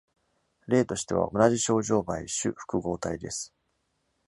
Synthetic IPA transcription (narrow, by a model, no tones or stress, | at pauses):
ɾe̞ːt̪o̞ɕi̥t̪e̞β̞a̰ʔo̞naʑiɕo̞ːʑo̞ːbaiɕɨ̰ɸɯ̥kɯ̟ɡo̞ːt̪aid̪e̞̰sɨ̥